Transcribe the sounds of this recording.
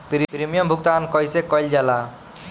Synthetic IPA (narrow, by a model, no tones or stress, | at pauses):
pɾipɾimijɔmbʱuk̚t̪ankɔjsɛkɔjld͡ʒala